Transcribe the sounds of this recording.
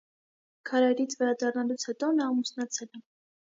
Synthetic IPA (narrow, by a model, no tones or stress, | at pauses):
kʰɑɾɑjɾit͡sʰvɛɾɑd̪ɑrnɑlut͡sʰhɛt̪ɔnɑːmusnɑt͡sʰɛlɛ